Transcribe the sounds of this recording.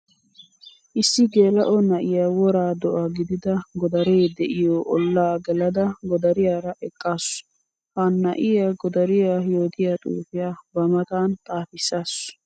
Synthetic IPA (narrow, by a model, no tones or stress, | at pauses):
ʔɪsːɪɡe̞ːlɐʔɔnɐʔɪjaːwɔɾaːd̪ɔʔɐɡɪd̪ɪd̪ɐɡɔd̪ɐɾeːd̪ɛʔɪjoʔɔlːaːɡɛlɐd̪ɐɡɔd̪ɐɾɪjaːɾɐʔɛkʼːaːsʊ̥ | hanːɐ̰ʔɪjaɡɔd̪ɐɾɪjaːjo̞ːt̪ɪjaːt̪ʼṵːfɪjaːbɐmɐt̪aːnt̪ʼaːfɪsːaːsʊ̥